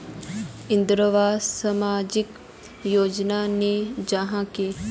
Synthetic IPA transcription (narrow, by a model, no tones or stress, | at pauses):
ɪ̃nd̪ɾəʋaːsɐmaːd͡ʒik | joːd͡ʒnaned͡ʒaɦãke